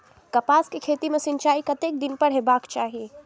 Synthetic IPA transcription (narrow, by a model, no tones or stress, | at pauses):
kɐpaːskekʰeːt̪imesɪ̃nt͡ʃaːikɐt̪eːk̚d̪ɪnpəɾɦebaːkt͡ʃaːɦie